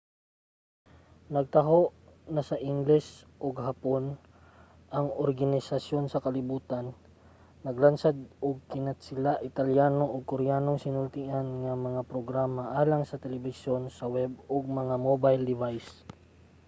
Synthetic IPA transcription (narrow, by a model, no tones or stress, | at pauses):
nɐɡ̚t̪ɐɦoʔnɐsɐʔɪŋɡlɛsʔoɡhapon | ʔɐŋoɾɡɐnɪsɐsjo̞nsɐkɐlɪbuːt̪anː | ɐɡlansad̪̚ʔoɡ̚kɪnat̪̚sɪlaʔɪt̪ɐljaːno̞ʔoɡ̚koɾɪjaːnoŋsɪnʊlt̪iʔanŋɐmɐŋapɾoɡɾaːmɐʔaːlaŋsɐt̪ɛlɛbɪsjo̞nsɐwɛboɡ̚mɐŋamobajld̪ɪvajs